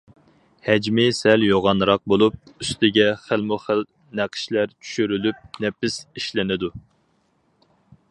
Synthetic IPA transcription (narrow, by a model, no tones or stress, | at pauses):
hɛd͡ʒmɪsɛljoʁɑnɾɑq̚bolˠup̚yst̪ʰɪɡʲɛχəlmʊχəl | næqʰə̥ʃlæɾt͡ʃʰy̥ʃyɾylyp̚nɛpɪsiʃlɪnɪd̪u